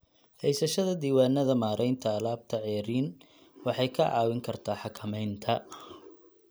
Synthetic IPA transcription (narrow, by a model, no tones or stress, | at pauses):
hɛjsɐʃɐðɐd̪iːwaːnːɐðɐmaːɾʔɛjnt̪ʰɐːlaːb̚t̪ʰɐʕɛːɾiːn | wɑħɑjkʰɐʕɑ̰ːwɪŋkʰɐrt̪ʰaːħɑkʰɐmɛjnt̪ʰɐ